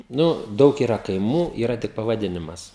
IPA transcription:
ˈnʊ ˈdɐʊk iːˈrɐ kɐɪˈmuː ˈiːrɐ tʲɪk pɐʋɐˈdʲɪnʲɪmɐs

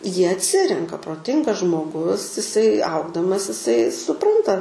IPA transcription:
ˈjiɛ ɐtʲˈsʲɪrʲɛŋkɐ proːˈtʲɪŋɡɐs ʒmoːˈɡʊs ɪˈsɐɪ ˈɐʊɡdɐmɐs ɪˈsɐɪ sʊˈprɐntɐ

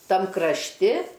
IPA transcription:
ˈtɐm krɐʃʲˈtʲɪ

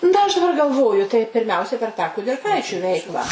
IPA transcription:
ˈnɐ ɐʃ dɐˈbɐr ɡɐlˠˈʋoːjʊ tɐɪ pʲɪrʲˈmʲɛʊsʲɛɪ pʲɛr tɑː kʊdʲɪrˈkɐɪt͡ʃʲʊ ˈʋʲɛɪklˠɑː

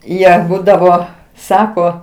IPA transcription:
ˈjiɛ ˈbuːdɐʋoː ˈsɑːkoː

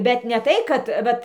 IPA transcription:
bʲɛt nʲɛ ˈtɐɪ kɐt ˈʋɐt

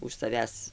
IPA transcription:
ʊʃ sɐˈʋʲæːs

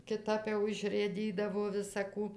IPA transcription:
kʲɪˈtɐp jɛʊ ɪʃrɘˈdʲiːdɐʋoː ʋʲɪsɐ ˈkuː

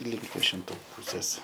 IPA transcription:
lʲɪŋk ʋʲiɛʃʲɪnˈtuː ˈpuːsʲeːs

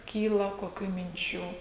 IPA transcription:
ˈkʲiːlˠɐ koːˈkʲuː mʲɪnʲˈt͡ʃʲuː

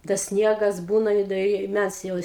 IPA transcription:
tɐs ˈsʲnʲiɛɡɐs ˈbuːnɐ ɪ dɐ ˈɪ ˈmʲæs jɛʊ

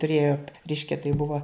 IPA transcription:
tʊˈrʲeːjoː ˈrʲɛɪʃʲkʲɛ tɐɪ ˈbʊʋɐ

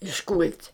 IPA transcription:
ɪʃˈkʊlʲtʲ

